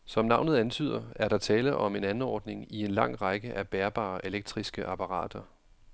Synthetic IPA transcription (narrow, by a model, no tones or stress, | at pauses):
sɒ̽mnɑ̈ʊ̰nð̩ˠænt͡sʰy̰ːð̰ˠɐæɐɾɑ̈t͡sʰɛːləʔɒ̽me̝nænn̩ɒ̰ːd̥ne̝ŋie̝nlɑ̈ŋ̰ʁɑɡ̥əʔæb̥eɐb̥ɑ̰̈ːʔe̝leɡ̥̚d̥ʁisɡ̥əʔɑ̈pʰɑ̈ʁɑ̰̈ːd̥ɐ